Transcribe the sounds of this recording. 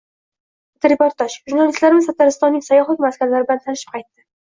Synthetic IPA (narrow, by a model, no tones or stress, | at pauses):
t̪ɾepoɾt̪aʃʒuɾnalist̪laɾɪmɪzʰat̪aɾɪst̪ɒnːɪŋʲsajɒχlˠɪkʲmaskʲanlaɾɪblant̪ʰanɪʃɪp̚qʰɑjt̪ːɪ